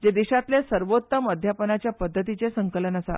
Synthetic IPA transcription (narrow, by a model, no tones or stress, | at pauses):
d͡ʑed̪iɕat̪lesəɾʋot̪ːəməd̪ʱjapənat͡ɕjapəd̪ʱːət̪it͡sesəŋkələnəsa̰